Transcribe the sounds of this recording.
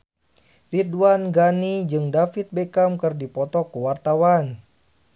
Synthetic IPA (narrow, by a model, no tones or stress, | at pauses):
riduanɡanid͡ʒɨŋdafit̪̚bekamkɨrdipɔt̪ɔkuwart̪awan